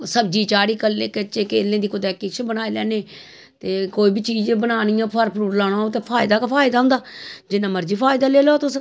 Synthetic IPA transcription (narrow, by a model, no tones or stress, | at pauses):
səbd͡ʒiːt͡ʃaːɾiːkəlːeːkət͡ʃeːkeːlẽːd̪iːkʊd̪ɛːkɪt͡ʃʰbəñaːiːlɛːneː | t̪eːkoːiːbit͡ʃiːd͡ʒebənaːnɪjãːpʰəɾpɾuːɾlaːɽ̃ãːot̪eːpʰaːɪd̪aːkapʰaːɪd̪aːʊ̃nd̪aːd͡ʒɪnãːməɾd͡ʒiːpʰaːɪd̪aːleːlot̪ʊs